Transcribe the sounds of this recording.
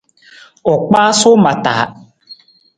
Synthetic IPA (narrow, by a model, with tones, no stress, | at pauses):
ɔ˨k͡pa˦sʊ˦ma˨ta̰ː˨˦